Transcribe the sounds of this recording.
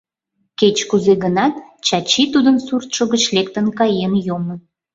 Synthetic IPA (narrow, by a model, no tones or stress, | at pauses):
ket͡ɕkuzeɣənɑt̪̚t͡ɕɑt͡ɕit̪ud̪ənsurt̪ʃoɣət͡ɕlekt̪ənkɑjenjomə